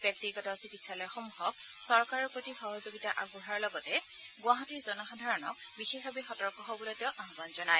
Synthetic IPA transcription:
b̥jɔk̚tiɡɔtɔsikitsʰalɔjɔxɔmuxɔk̚sɔɹkaɹɔɹpɹotixɔɦɔzoɡitaʔaɡuɦaɹlɔɡɔtɛ | ɡwaɦɔtiɹzɔnɔxadʱaɹɔnɔ̰kbixexbabixɔtɔɹkɔɦɔbɔlɔteʊ̃ʔaɦɔbanzɔnaj

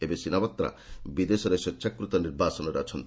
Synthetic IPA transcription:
ebesinabɔt̪ːɾa̰bid̪esɔɾesɔtːʃʰakɾut̪ɔniɾbasɔnɔɾeɔt͡ʃʰɔnt̪i

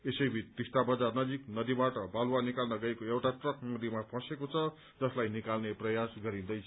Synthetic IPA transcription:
esʌjbʱitt̪isʈabʌd͡zarnʌd͡ziknʌd̪ibaʈʌbalwanikalnʌɡʌekoewʈaʈrʌkmʌd̪ʱimapʰʌ̃sekot͡sʰʌ | d͡zʌslajnikalneprʌjasɡʌɾĩnd̪ʌjt͡sʰʌ

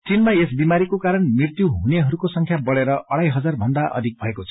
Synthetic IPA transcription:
t͡sinmaesbimaɾikokaɾʌnmirt̪juɦuneɦʌɾukosʌŋkʰjabʌɽeɾʌʔʌɽajɦʌd͡zarbʱʌnd̪aʔʌ̰d̪ʱik̚bʱʌekot͡sʰʌ

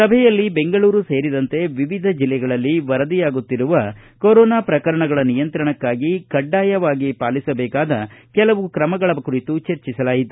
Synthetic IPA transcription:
sɐbʱɛjɐlːibe̞ŋɡɐɭuːɾuse̞ːɾid̪ɐnt̪e̞ʋiʋid̪ʱɐd͡ʒilːɛɡɐɭɐlːiʋɐɾɐd̪ijaːɡut̪ːiɾuʋɐkoɾɔːnaːpɾɐkɐɾɐɳɐɡɐɭɐnijɐnt̪ɾɐɳɐkːaːɡikɐɖːaːjɐʋaːɡipaːlisɐbɛːkaːd̪ɐkɛlɐʋukɾɐmɐɡɐɭɐkuɾit̪ut͡ʃeɾt͡ʃisɐlaːjit̪u

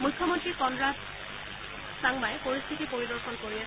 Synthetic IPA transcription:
mukʰːɔmɔntɹikɔndɹas | saŋbajɛpoɹist̪ʰitipoɹidɔɹxɔnkoɹia

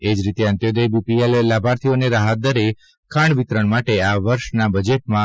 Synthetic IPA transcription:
ed͡ʒɾit̪eə̃nt̪jod̪ejbipielːabʱaɾt̪ʰioneɾaɦat̪̚d̪əɾe | kʰaɳʋit̪ɾəɳmaʈeaʋəɾʃnabəd͡ʒeʈ̚mã

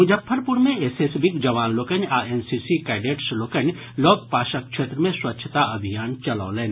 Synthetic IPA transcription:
ɦud͡ʒɐpʰːəɾpuɾmẽesesbikd͡ʒɐʋaːnloːkənaːensisikaɪɖeːʈsloːkən | loːk̚paːʃək̚ʃʰeːt̪ɾəmẽswɐtːʃʰət̪aɐbʱijaːnt͡ʃɐlɔ̰ːleːn

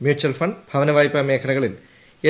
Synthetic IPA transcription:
mjuːt͡ɕːuɐlfɐɳɖbʱɐʋɐnɐʋaːjpːɐmeːkʰɐlɐɣɐɭil | e

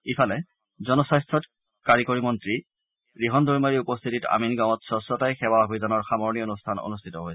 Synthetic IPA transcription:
ipʰalɛ | zɔnɔsajstʰɔt | kaɹikoɹimɔntɹi | ɹiɦɔndɔɹmaɹiupɔst̪ʰitita̰minɡaw̃ɔtsɔsɔtajxɛwaobʱizɔnɔɹxamɔɹnijɔonustʰano̰nustʰitɔɦojɛ

